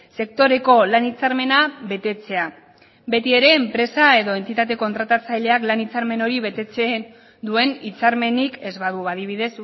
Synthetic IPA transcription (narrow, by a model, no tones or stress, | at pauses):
se̞k̚t̪o̞ɾe̞ko̞lanit͡saɾme̞naβe̞t̪e̞t͡se̞a | be̞t̪ie̞ɾe̞ːmpɾe̞sae̞ðo̞e̞nt̪it̪at̪̬e̞ko̞nt̪ɾat̪at͡sajʎe̞aklanit͡saɾme̞no̞ɾiβe̞t̪e̞t͡sen | d̪ue̞nit͡saɾme̞nike̞zβaðuaðiβ̞iðe̞s